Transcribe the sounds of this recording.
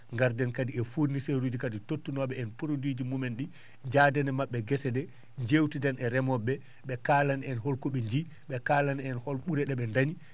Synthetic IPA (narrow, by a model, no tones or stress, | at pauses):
ŋɡaɾdɛnkadiɛfuɾniseɾud͡ʒikaditotːunɔɓɛɛnpuɾodwid͡ʒimumɛnɗi | d͡ʒadɛnɛmaɓːɛɡɛsɛdɛ | ɲd͡ʒewtidɛnɛɾɛmɔbɛ | ɓɛkalanɛnɦɔlkoɓɛɲd͡ʒi | ɓɛkaːlanɛnhɔlɓuɾɛɗɛɓɛndaɲi